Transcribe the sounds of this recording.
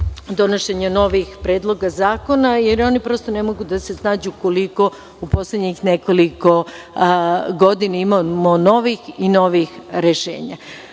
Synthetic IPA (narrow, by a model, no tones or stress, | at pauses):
d̪o̞noʃeɲano̞ʋixpɾe̞ːd̪lˠo̞ɡazaːko̞najeɾo̞nipɾo̞st̪onemo̞ɡud̪ase̞snaːd͡ʑukoliko̞ | upo̞slʲed̪ɲixneko̞liko̞ | ɡo̞d̪inaimamono̞ʋixino̞ʋixɾeʃḛːɲa̰